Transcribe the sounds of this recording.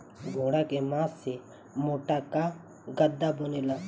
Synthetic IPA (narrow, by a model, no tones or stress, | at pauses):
ɡʱoːɽakemãːsːe | moːʈaka | ɡəd̪ːabʊneːlaː